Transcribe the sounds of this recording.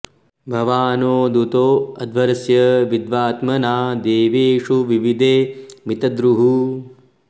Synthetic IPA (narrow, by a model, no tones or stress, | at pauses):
bʱɐʋaːnoːd̪ut̪oːɐd̪ʱʋɐɾɐsjɐʋid̪ʋaːt̪mɐnaːd̪eːʋeːʂuʋiʋid̪ʱeːmit̪ɐd̪ɾuɦu